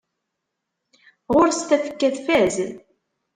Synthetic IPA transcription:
ʁʊɾst̪æθə̥kːæθfæz

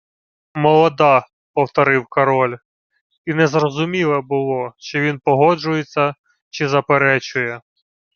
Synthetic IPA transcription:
mɔlˠɔd̪ɑ | pɔwt̪ɔɾɪwkɐɾɔlʲ | inɛzrɔzʊmʲilˠɐbʊlˠɔʃt͡ʃɔʋʲinpɔɦɔd͡ʒʊjet͡sʲːɐ | t͡ʃɪzɐpeɾɛt͡ʃʊjɛ

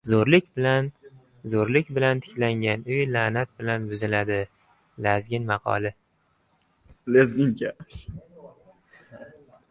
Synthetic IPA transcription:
zoɾlɪkʲbɪlan | zoɾlɪkʲbɪlant̪ʰɪ̥kʲlaŋɡʲanʊjlanat̪̚bɪlanbʊzɪlad̪ɪ | lazɡʲɪnmɑqʰɒ̰lɪ | lezɡʲɪŋkʰʲa

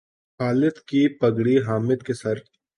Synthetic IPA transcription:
xaːlət̪kipɐɡɽiɦaːmɪd̪kesɐɾ

